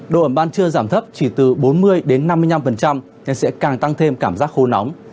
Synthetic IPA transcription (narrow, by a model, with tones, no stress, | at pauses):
ɗo̰˧˨ʔə˧˩ɓaː˧nt͡ɕɨ˧əzaː˧˩mt̪ʰə˦˥p̚t͡ɕi˧˩t̪ɨ˨˩ɓo˨˦nmɨ˧əjɗe˨˦nːa˧mːɨ˧əjɲna˧mfə˨˩nt͡ɕa˧m | ɲɨ˨˧ŋsɛ̰˧˥kaː˨˩ŋt̪a˧ŋt̪ʰe˧mkaː˧˩mzaː˦˥k̚xo˧nɔ˨˦wŋ͡m